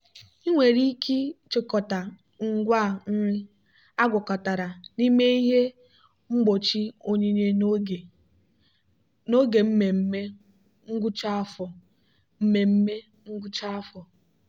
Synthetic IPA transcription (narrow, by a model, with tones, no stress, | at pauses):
i˦ŋʷe˨ɾi˦kʰi˦t͡ʃɪ˦kɔ˨ta˨ | ŋ̩˦ɡʷa˦˨˦ | a˦ɡʷʊ˨kɔ˨ta˨ɾa˨ni˦me˦i˦ɦe˦ | ŋ͡m̩˦ɡ͡bo˨t͡ʃi˦o˦ɲi˦ɲe˦˨ | no˦ɡe˨m̩˦me˨m̩˦me˦ | ŋ̩˦ɡʷu˦t͡ʃa˦fɔ˨ | m̩˦me˨m̩˦me˦ | ŋ̩˦ɡʷu˦t͡ʃa˦fɔ˨